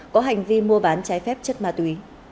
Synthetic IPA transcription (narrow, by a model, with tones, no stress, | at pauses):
kɔ˨˦ɦa˨˩jŋ̟vi˧mu˧əɓaː˨˦nt͡ɕaː˨˦jfɛ˦˥p̚t͡ɕə˦˥t̚maː˨˧˩t̪wi˨˦